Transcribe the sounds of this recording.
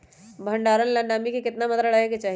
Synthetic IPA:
bʱə̃ɳɖaːɾənlə̃ɳɖaːmikikɪt̪namət̪ɾəɽaɦeket͡ʃaː

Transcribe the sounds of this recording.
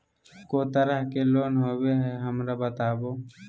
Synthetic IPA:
koːt̪əɾəɦkeloːnɦoːbeɦɛɦəmɾabət̪aːboː

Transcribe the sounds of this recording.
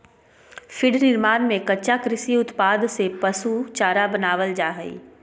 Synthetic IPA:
fʰɪɖnɪɾmaːnmẽkɐːʃakɾɪsiʊt̪paːd̪sepɐsut͡ʃaːɾabɐnaːʋəld͡ʒaːɦəḭː

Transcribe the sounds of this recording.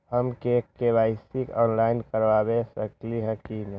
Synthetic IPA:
ɦəmkekːebaːɪsikɔːnlaːɪnkəɾʋabesəkliɦɛkin

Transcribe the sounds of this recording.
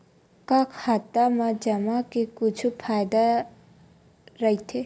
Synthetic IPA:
kakʰhat̪ːamãd͡ʒəmakekʊt͡ʃʰupʰaːjd̪a | ɾəit̪ʰe

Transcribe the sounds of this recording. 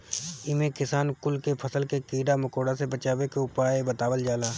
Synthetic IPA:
ɪmẽkɪsaːnkʊlkepʰɐsəlkekiːɖamɐkoːɽasebɐt͡ʃaːʋekeʊpaːebɐt̪aːʋəld͡ʒaːlaː

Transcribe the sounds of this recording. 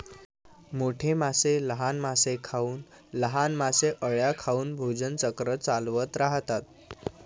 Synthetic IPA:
moʈʰemaseləɦanmasekʰauːn | ləɦanmaseʔəɭjakʰauːnbʱod͡zənt͡səkɾət͡salʋət̪ɾaɦt̪at̪

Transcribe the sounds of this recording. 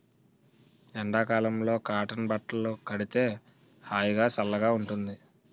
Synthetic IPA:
ɛɳɖaːkaːlɐmlo̞ːkaːʈɐnbɐʈlɐlokɐɽit̪e̞ː | haːjuɡaːsɐlːɐɡaːuɳʈund̪i

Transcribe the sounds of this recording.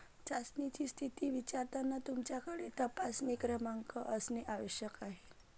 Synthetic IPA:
t͡ɕasnit͡ɕist̪ʰit̪iʋit͡ɕaɾt̪anat̪umt͡ɕjakaɽet̪əpasnikɾəmaŋkəʔəsneʔaʋəɕjəkaɦe

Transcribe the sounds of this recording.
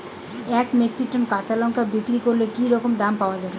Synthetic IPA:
ɛkmek̚ʈiʈonkat͡ɕalɔŋkabikɾikoɾlekiɾɔkomd̪ampaoad͡ʑabe

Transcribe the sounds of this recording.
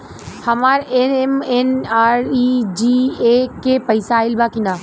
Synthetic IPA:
hɐmaːɾenemenaːɾid͡ʒiːekepɐɪsaːɪlbaːkinaː

